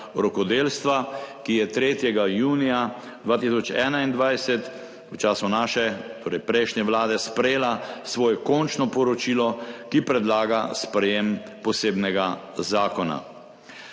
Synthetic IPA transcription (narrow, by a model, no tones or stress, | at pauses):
ɾɔkɔd̪eːlst̪ʋakijɛt̪ɾeːt̪jɛɡajuːnija | d̪ʋaːt̪isɔt͡ʃɛːnaind̪ʋajsɛt̪ | ut͡ʃaːsunaːʃɛt̪oːɾɛjpɾɛjʃnɛʋlaːd̪ɛspɾɛjeːlasʋɔːjɛkɔnt͡ʃnɔpɔɾɔt͡ʃiːlɔkipɾɛd̪laːɡaspɾɛjem | pɔseːbnɛɡazaːkɔna̰